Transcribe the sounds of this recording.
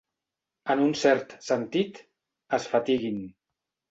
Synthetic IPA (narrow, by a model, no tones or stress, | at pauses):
ənunsɛɾt̪sənt̪it̪ | əsfat̪iɣin